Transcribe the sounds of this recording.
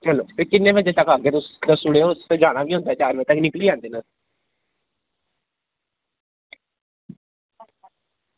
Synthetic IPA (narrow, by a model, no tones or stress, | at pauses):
t͡ʃəlːo̰ːpʰɪɾkɪnːẽːbəd͡ʒẽːt̪əkəɡeːt̪ʊsəsʊɽeːosd͡ʒaːɽ̃aːʋiːɦõnd̪aːt͡ʃaːɾʋet̪əknɪkliːãːnd̪eːnaː